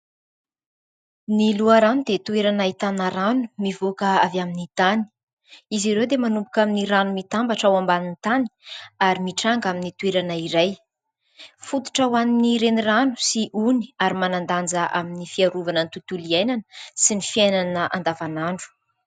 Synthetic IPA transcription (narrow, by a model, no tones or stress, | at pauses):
niluaɾanud̪et̪ueɾanait̪anaɾanumivokəavjaminit̪ani̥ | iziɾewd̪emanumbukaminiɾanumit̪ambaʈ͡ʂawambanint̪ani̥aɾimiʈ͡ʂaŋɡaminit̪ueɾanaiɾaj | fut̪u̥ʈ͡ʂawaniniɾeniranu̥siʔuniaɾimanand̪and͡zəʔaminifiaɾuvanənt̪ut̪uliajnanə̥sinifiajnanəʔa̰nd̪avanaɳɖ͡ʐu̥